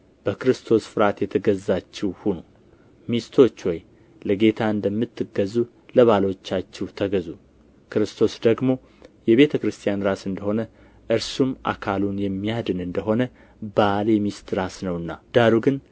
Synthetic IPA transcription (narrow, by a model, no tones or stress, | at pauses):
b̥əkɨɾɨst̪ʰo̞sfɨɾat̪jɛt̪ʰəɡəzːat͡ʃːɛwhunu | mist̪ʰo̞t͡ʃːwɔj | ləɡe̞t̪ʰaɨnd̪əmːɨt̪ːɨɡəzːu | ləβalo̞t͡ʃːat͡ʃːɛwt̪ʰəɡəzu | kɨɾɨst̪ʰo̞sd̪əɡmo̞ | jɛβe̞t̪ʰəkɾɨst̪ʰijanɾasɨnd̪əho̞nə | ʔɨɾsumʔa̰kʰalunjɛmːijad̪ɨnɨnd̪əɦo̞nə | baljɛmist̪ɾasnəwɨnːad̪̥aɾuɡɨn